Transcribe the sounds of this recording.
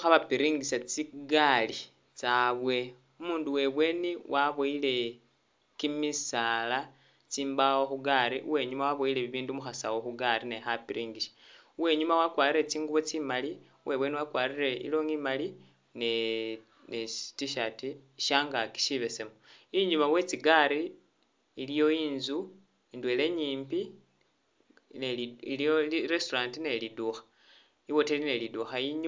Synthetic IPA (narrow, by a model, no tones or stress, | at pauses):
xaβapiɾiːŋɡisat͡siɡali | t͡saβwe̞ | umuːnduwe̞βwe̞ːniwʔaβoile̞ | kimisala | t͡siːmbawo̞xuɡaɾiʔuwe̞ːɲumawaβoileβiβiːndumuxasawo̞xuɡaɾinexapiɾiːŋɡiʃḁ | uwe̞ɲumawakwaːɾiret͡siːŋɡuβot͡simali | wʔe̞βweniwakwaːɾire̞ḭlo̞ːŋimali | ne | ne̥tiʃatiʃaːŋɡaki̥ʃiβe̞se̞moiɲumawe̞t͡siɡaɾiː | lijo̞iːnzu | indwe̞le̞ɲiːmpi | neoliɾe̞stoɾaːntine̞liduxḁ | iwo̞telineliduxajiɲ